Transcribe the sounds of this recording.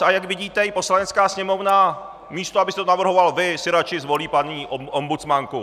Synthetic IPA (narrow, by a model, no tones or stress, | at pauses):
ajaɡvɪɟiːt̪ɛɪpo̞slanɛt͡skaːsɲɛmo̞vna | miːst̪oabɪst̪ɛt̪onavr̩ɦo̞valvɪsɪɾat͡ʃɪzvo̞liːpaɲiːʔʔombut͡smaŋku